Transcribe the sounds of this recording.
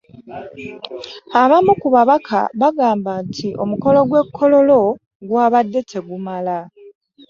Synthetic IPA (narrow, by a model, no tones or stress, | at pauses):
aβamukuβaβakʰa̰βaɡaːmbantʰiʔo̞muko̞lo̞ɡwe̞kʰːo̞lo̞lo̞ | ɡwaːβadːe̞tʰe̞ɡumala